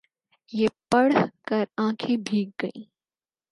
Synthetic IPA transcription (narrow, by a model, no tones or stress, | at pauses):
jeːpɐɽkɐɾãːkʰẽbʱiːk̚ɡɐḭː